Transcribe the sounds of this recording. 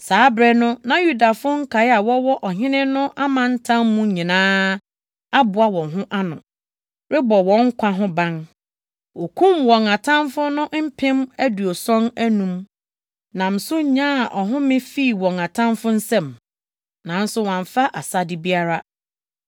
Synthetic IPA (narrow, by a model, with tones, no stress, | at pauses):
saː˨˦bɾɛ˦nʊ̃˦nã˨ju˦da˨fʊ˦ŋ̩˦kʰa˨ɪ˦a˨wɔ˦wɔ˦ʔɔ˨ɦɪ̃˦nɪ̃˦nʊ̃˦ʔa˦mã˨n̩˦tʰã˦mːũ˦ɲĩ˨nãː˦ | a˦bʊ˨a˨wɔ̃˨ɦʊ̃˦ʔa˦nʊ̰̃˨ | ɾɪ˦bɔ˨wɔ̃˨˦ŋ̩˦kʷʰa˦ɦʊ̃˦bã˦n | wɔ˨kʰũ˦mwɔ̃˨ŋa˨tʰã˦mfʊ˦nʊ̃˦m̩˦pʰɪ̃˦mæ˦du˨ɔ˨sɔ̃˦næ˦nũ˨m | nã˨m̩˨sʊ˦ɲã˦˨ʔɔ˨ɦʊ̃˦mɪ̃˦fi˦˨wɔ̃˨ŋã˨tʰã˦mfʊ̃˦n̩˦sɛ̃˨m | nã˨n̩˦sʊ˦wã˨ɱ˨fa˦ʔa˨sa˦dɪ˨bi˦a˦ɾa˦